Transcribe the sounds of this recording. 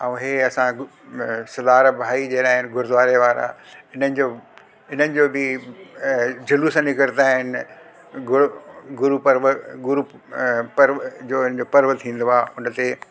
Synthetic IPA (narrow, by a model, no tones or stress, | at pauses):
ãũɦeːɐsã | sɐd̪aːɾbʱaːid͡ʑeːnaːɦɪnɡʊɾd̪ʋaːɾeʋaːɾã̰ɪnənɪ̆d͡ʑoː | ɪn̤ənɪ̆d͡ʑoːbɪ | d͡ʑʱɐlusãnikɐɾt̪aːɦɪnɪ | ɡʊɡʊɾupɐɾʋəɡʊɾupɐɾʋd͡ʑoːɪnə̃d͡ʑopɐɾʋət̪ʰĩːn̆d̪oaːʊnət̪e